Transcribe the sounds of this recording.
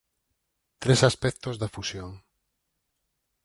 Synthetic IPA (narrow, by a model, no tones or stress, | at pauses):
t̪ɾesaspɛk̚t̪ozðafusjoŋ